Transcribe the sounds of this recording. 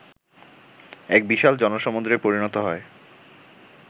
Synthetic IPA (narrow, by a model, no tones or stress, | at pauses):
ɛk̚biʃald͡ʑɔnoʃɔmond̪ɾepoɾinɔt̪oɦɔe